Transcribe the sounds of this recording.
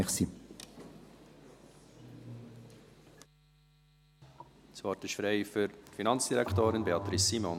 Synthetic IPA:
χsi | svɑrtɪʃfɾeɪfyɾtfinɑnt͡sd̥iɾɛkt̪oːɾɪnbeɑt̪ɾɪsːimɔn

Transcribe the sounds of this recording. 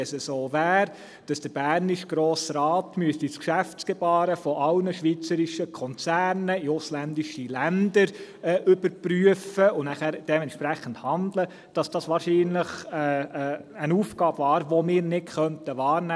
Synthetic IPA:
ɛsəsoːvæːɾ | d̥ɑsd̥əɾbæːɾniʃɡ̥ɾoːsrɑːtmyəstiskʃæftt͡sɡ̥ɛbɑːɾəfɔʔɑlnəʃʋiːt͡səɾiʃəkʰɔnt͡sæːɾnəiʊslændiʃilændəɾɛʔʏbəɾpryəfəʊnæχæːɾd̥ɛmɛntʃpɾæχən̩thɑndlə | d̥ɑsd̥ɑsʋɑːɾʃiːnləχɛ | ənuːfɡɑːb̥vɑːɾʋomɪːɾnɪtχœntəʋɑːɾnɛ

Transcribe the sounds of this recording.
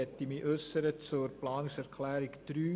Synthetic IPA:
ɛtːimiːʔøsəɾət͡sʊɾplɑːnɪŋsæʁkʰlæːɾɪktɾyː

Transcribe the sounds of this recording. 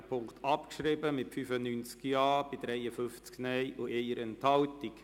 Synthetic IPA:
pʰʊŋkt̪ʰɑpkʃɾɪbəmɪtfyfənynt͡skjɑːb̥ɪd̪ɾɛɪəfʏft͡sknɛɪʔʊʔeɪəɾɛnthɑltik

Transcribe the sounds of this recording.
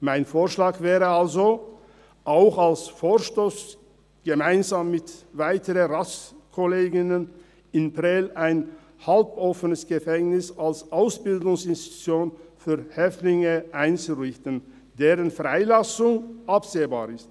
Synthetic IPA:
maɪnfoːɐʃlaːkvɛːʁəalzo | ʔaʊxalsfoːɐʃtoːs | ɡ̥əmaɪnzaːmːɪtvaɪtʰəʁəʁaskʰoleːɡɪnən | ɪnpʁɛlaɪn | halpʔɔfənəsɡ̥əfɛŋnɪsalsʔaʊsb̥ɪldʊŋsɪnsti̥tʰu̥t͡sjoːnfyːɐhɛftlɪŋəʔaɪnt͡suʁɪçtən̩ | deːʁənfʁ̥aɪlasʊŋʔapz̥eːba̰ːʁɪst

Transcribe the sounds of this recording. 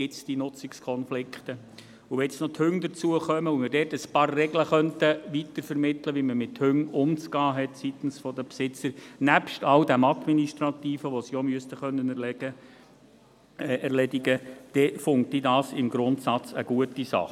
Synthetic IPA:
ɡ̥ɪt͡sd̥inʊt͡sɪkskʰɔnflɪkχt̪ə | uʋɛt͡snɔt̪hʏŋd̪ət͡suəχœməumədɛːtəspɑːrːɛɡləχœntəʋitəɾfɛɾmɪt̪ləʋiməmɪthʏŋʊmt͡skɑːɦɛtsit̪n̩sfɔd̪əpsɪt͡səɾnæpʃtɑwdæmɑt̪miniʃtɾɑt̪iːfəʋɔsiɔmyəstəχœnːənɛɾlɛə | ɛɾlɛdiɡəd̥ɛfʊŋk̚tidɑːsɪmɡɾʊnt̪sɑt͡səɡ̥uətisɑ̰χ

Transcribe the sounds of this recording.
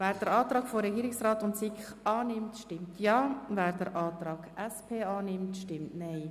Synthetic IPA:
vɛːɾd̥əɾɑːt̪ɾɑːkfoɾɛɡiːɾɪksrɑːtʊntsɪkχɑːnɪmtʃtɪmtʰjɑːvɛːɾd̥əɾʔɑːt̪ɾɑːɡ̥ɛspʰeːɑːnɪmtʃtɪmtnaɪ

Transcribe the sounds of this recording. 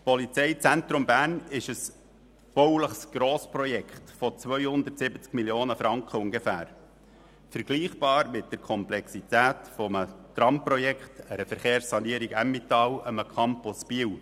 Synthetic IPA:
pɔlit͡sɛɪt͡sænt̪ɾʊmbæːrnɪʃəs | b̥ɔwləχsɡ̥ɾɔːspɾɔjɛkχtfɔt͡sʋœʏhʊnd̪ərtsɪbət͡skmiljoːnəfɾɑŋkχəʊŋɡefæ̰ːɾ | fəɾɡ̥liːχb̥ɑːɾmɪt̚d̥ɛɾkʰɔmplɛksit̪æːtfɔmət̪ɾɑmpɾɔjɛkχtæɾəfəɾχeːɾsːɑniəɾiɡæmːit̪ɑːwəməkʰɑmpʊsb̥iəw

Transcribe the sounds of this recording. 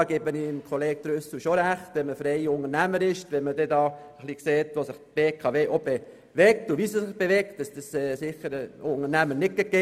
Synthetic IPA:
ɡ̥ebəniɪmkʰoleːk̚d̥̪ɾʏsuʃoɾæχtʋɛməfɾɛɪʊŋəɾnæməɾɪʃtʋɛməd̥ɛdɑːəχlikseːtʋosəχb̥eːkʰɑʋeːʔob̥e | ʋɛk̚tuʋisəsɪχb̥eʋɛk̚t̚dɑsd̥əsɛːsɪχːəɾʊŋənæmənɪt̚keɡe

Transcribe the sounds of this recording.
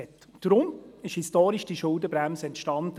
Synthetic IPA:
ɛt | d̥ɾʊmɪʃhistoːɾiʃd̥iʃʊldəb̥ɾɛmsəɛntʃtɑnd

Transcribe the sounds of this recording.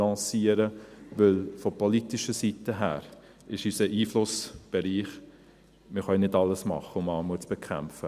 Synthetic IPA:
ɑ̃siːəɾəʋʏlfɔpʰɔlitɪʃəsitəɦæ̰ːɾ | ɪʃysəʔiːflʊsb̥eɾiːχ | mɪχœjnɪdɑləsmɑ̰χəʊmɑːmuːt͡sb̥ekʰæmfə

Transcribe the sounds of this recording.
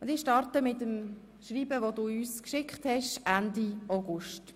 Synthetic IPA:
ʊndɪːʃtɑɾtəmɪtəm | ʃriːbəʋoduːyːskʃɪkχthɛʃʔændiaʊɡʊʃt

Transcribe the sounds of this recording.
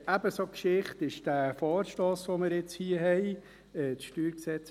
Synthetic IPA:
æbəsokʃɪχtɪʃd̥æfɔːɾʃtoːsʋomɪɾɪt͡shiːəɦɛɪ | ɛt͡sʃtyːɾksɛt͡s

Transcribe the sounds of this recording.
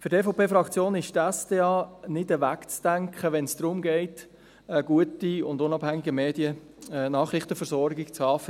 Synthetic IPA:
fʏɾtɛfopʰeːfrɑkt͡sjoːnɪʃtɛsd̥eːɑːnɪdəʋækt͡sd̥æŋkχəʋɛnsd̪̥ɾʊmɡɛɪt | əɡ̥uətiʊndʊnɑbhæŋɪɡəmeːdiə | nɑːχɾɪχtəfɛɾsɔɾɡɪkt͡sɑːf

